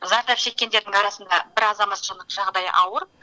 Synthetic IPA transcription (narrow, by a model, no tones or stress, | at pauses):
zɑɾd̪ɑpʃe̞kʲːend̪eɾd̪ɪŋɑɾɑsənd̪ɑbɪɾɑzɑmɑt̪ʒəd̪əqʒ̥ɑʁd̪ɑj̰ʔɑwəɾ